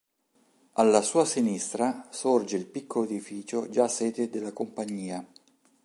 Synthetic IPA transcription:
alːasuːasinist̪ɾasord͡ʒeilpikːoloed̪ifiːt͡ʃod͡ʒasɛːt̪ed̪elːakompaɲːiːa

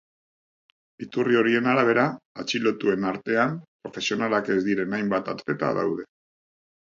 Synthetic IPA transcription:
it̪urio̞ɾie̞naɾaβ̞e̞ɾaːt͡ʃilo̞t̪ue̞naɾt̪e̞ampɾo̞fe̞sio̞nalake̞zd̪iɾe̞najmbat̪a̰t͡s̪pe̞t̪a̰ða̰wð̞e̞

